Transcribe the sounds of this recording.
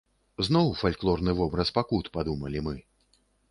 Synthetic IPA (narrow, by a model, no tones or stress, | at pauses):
znɔwfalʲklˠɔrnɨvɔbɾɐspakut̪pad̪umɐlʲimɨ